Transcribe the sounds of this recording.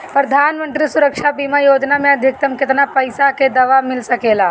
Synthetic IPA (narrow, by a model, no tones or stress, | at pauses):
pɾɐd̪ʱaːnmə̃nt̪ɾisʊɾəkʃabiːmajoːd͡ʒnamẽɐd̪ʱɪk̚t̪əmkɪt̪napɐɪsaked̪ɐʋamɪlsɐkeːlaː